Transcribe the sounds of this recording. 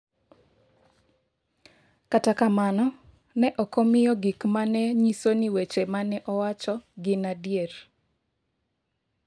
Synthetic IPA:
katakamanɔ | nɛʔɔkɔmɪjɔɡikmanɛɲisoniwet͡ʃemanɛʔɔwat͡ʃɔɡɪnadjer

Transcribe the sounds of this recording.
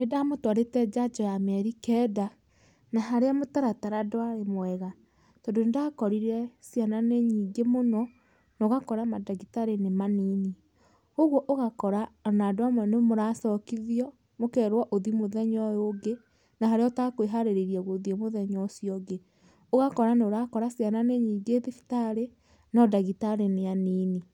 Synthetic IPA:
nedamotwaɾetɛd͡ʒad͡ʒɔjamɛɾikɛda | naɦaɾeamotaɾataɾadoaɾemwɛɣa | tɔndoendakɔɾiɾɛsiananeɲiːŋɡemonɔ | nɔɣakɔɾamadaɣitaɾenemaniːni | oɣwɔʔoɣakɔɾanadoamɛnemoɾasɔkiðiɔ | mokɛɾwaʔoðimoðɛɲɔjoɡe | naɦaɾeɔtakoeɦaɾeɾeɾiaɣoðiemoðɛɲɔsjɔɡe | oɣakɔɾaneoɾakɔɾasjananeɲiːɡeðifi̥taɾe | nɔdaɣitaɾeneaniːni

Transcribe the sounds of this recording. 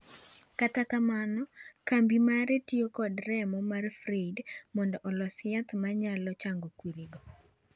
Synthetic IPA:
katakamanɔkambimaɾetiokɔdɾɛmɔmarfɾedmɔndɔʔɔlɔsɪat̪maɲalɔt͡ʃaŋɡokwiɾiɡɔ

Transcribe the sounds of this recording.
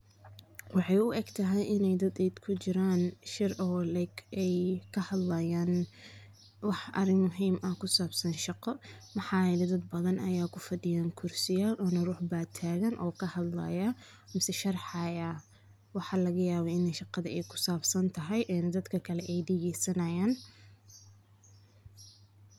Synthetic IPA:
wɑħɑjʊʔɛɡt̪ʰɐɦɛjʔɪnɛjd̪ɐd̪ɛjd̪kʰʊt͡ʃɪɾaːnʃɪrʔɔːlɛɡɛjkʰɐhɐd̪lɐjaːn | wɑħʔɐ̰ɾɪŋmʊɦiːmʔɐkʰʊsaːbsɐnʃɑqɔmɐħɑːlɛd̪ɐd̪bɐðɐnʔɐjaːkʰʊfɐdɪjaːŋkʰʊrsɪjaːlɔːnɐruːħbaːt̪ʰaːɣɐnʔɔːkʰɐhɐd̪lɐ̰jɐ | mɪsɛʃɐrħɑjaː | wɑħɑlɐɣɐjaːβɛɪnɛʃɑqɑðɐɛjkʰʊ̥saːbsɐnt̪ʰɐɦɛjʔɛːnd̪ɐd̪kʰɐkʰɐlɛʔɛjd̪ɪɣɛsɐnɐjaːn

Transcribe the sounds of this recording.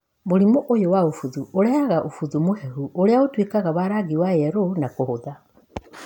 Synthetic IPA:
moɾimoʔojowaofuðuʔoɾɛaɣaʔofuðumohɛɦuʔoɾeaotwekaɣaβaɾaɣiwajɛɾonakohoða

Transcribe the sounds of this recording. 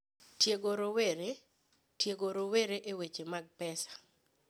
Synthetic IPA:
tjeɡoɾoweɾe | tjeɡoɾoweɾeʔewet͡ʃemaɡ̚pɛsḁ

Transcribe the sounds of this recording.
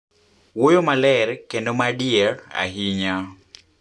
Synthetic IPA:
wojomalɛrkendomadɪɛra̰ɦiɲa

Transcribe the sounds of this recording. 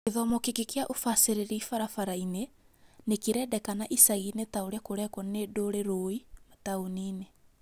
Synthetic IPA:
keðɔmɔkekekeaʔofaseɾeɾiifaɾafaɾaine | nekeɾɛːdɛkanaʔisaɣinetaoɾeakoɾɛkɔnedoɾeɾoimataoniːne

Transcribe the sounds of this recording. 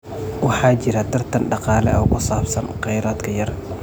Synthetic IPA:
wɑħɑːt͡ʃɪɾɐt̪ʰɐrt̪ʰɐnɖɑqɑːlɛ̰ʔɔːkʰʊsaːbsɐnqɑjɾaːd̪kʰɐjɐr

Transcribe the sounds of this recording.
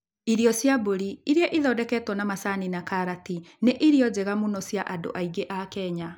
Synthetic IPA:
iɾiɔsjaboɾiiɾiɛʔiðɔdɛkɛtwɔnamasaninakaɾatineʔiɾiɔd͡ʑɛɣamunɔsjaʔado̰ʔaiɡeʔakɛːɲa

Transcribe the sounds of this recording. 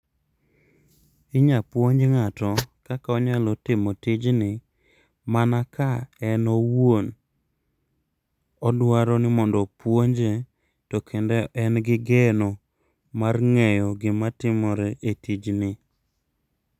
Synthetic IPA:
ɪɲapwoɲd͡ʒeŋatɔkakaɔɲalɔtɪmotɪd͡ʒnɪ | manakaɛnɔwon | ɔdwaɾɔnɪmɔndɔpwoɲd͡ʒe | tokʰendɛʔɛnɡɪɡɛnɔ | marŋɛjɔɡɪmatɪmɔɾɛetid͡ʒnɪ

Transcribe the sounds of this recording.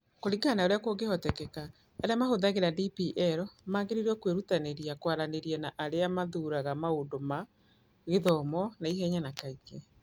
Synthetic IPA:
koɾiɡaːnaoɾeakoɡehɔtɛkɛka | aɾejamahoðaɣeɾadipiʔɛɾɔmaːɡeɾiɾɔkweɾutaneɾiakwaɾaneɾiɛnaʔaɾeamaðuːɾaɣamaondoma | ɣeðɔmɔnaiɦɛɲanakaikɛ

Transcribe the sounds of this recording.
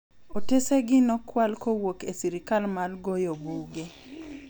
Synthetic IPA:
oteseɡɪnɔkwalkowokesiɾikalmalɡojobuɡe

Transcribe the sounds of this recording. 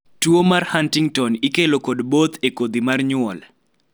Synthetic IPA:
twomarhantiŋtɔnikelokodbot̪ekod̪imarɲʊɔl

